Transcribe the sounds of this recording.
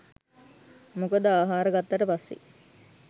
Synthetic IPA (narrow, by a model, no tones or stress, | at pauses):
mokəd̪əaːɦaːɾəɡat̪ːaʈəpasːḛ